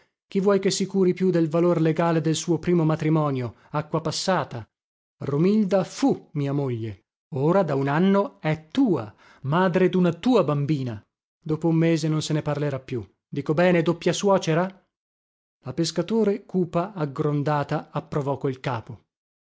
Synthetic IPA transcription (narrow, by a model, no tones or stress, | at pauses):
k̟ivːwɔjkesːikuːɾipjud̪elvalorleɡaːled̪elsuːopɾiːmomat̪ɾimɔːnjo | akːwapasːaːt̪a | romild̪afumiːamoʎːe | oːɾad̪aunanːoɛt̪ːuːa̰ | maːd̪ɾed̪unat̪uːabambiːna | d̪oːpoumːeːzenonseneparleɾapːju | d̪iːkobɛːned̪opːjaswɔːt͡ʃeɾa | lapeskat̪oːɾekuːpaːɡɾond̪aːt̪aːpːɾovɔkːoilkaːpo